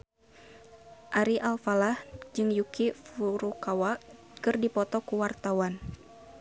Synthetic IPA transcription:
ʔaɾiʔalfalahd͡ʒɨŋjukifuɾukawa | kɨrdipɔt̪ɔkuwart̪awan

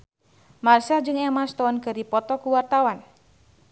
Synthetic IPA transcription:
marsad͡ʒɨŋɛmast̪ɔnkɨrdipɔt̪ɔkuwart̪awan

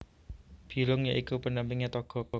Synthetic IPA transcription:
b̥iɾʊŋjaʔikupəndampiŋɲɛt̪ɔɡ̥ɔ̤kɔ

